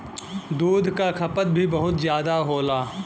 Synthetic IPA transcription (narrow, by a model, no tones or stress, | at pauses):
d̪uːd̪ʱkakʰɐpət̪̚bʱibɐɦʊt̪zjaːd̪aɦoːlaː